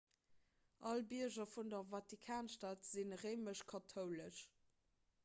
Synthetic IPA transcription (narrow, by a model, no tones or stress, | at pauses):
ʔɑlbiəʑɐfundɐvɑtikʰaːnʃtaːtz̥inʁeɪməʃkʰɑtʰoʊləʃ